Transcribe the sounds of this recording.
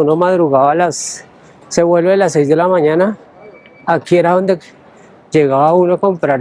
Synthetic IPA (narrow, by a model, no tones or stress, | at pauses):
unomaðɾuɣaβalas | seweloðelasezd̪elamaɲãnaː | kjeɾaond̪ek | d͡ʒeɣaaunokompɾaɾ